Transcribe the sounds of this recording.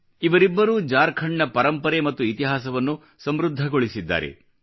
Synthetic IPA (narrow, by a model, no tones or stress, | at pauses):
iʋɐɾibːɐɾuːd͡ʒaːɾkʰɐɳːɐpɐɾɐmpɐɾemɐt̪ːuit̪iɦaːsɐʋɐnːu | sɐmɾud̪ʱːɐɡoɭisid̪ːa̰ːɾe̞̰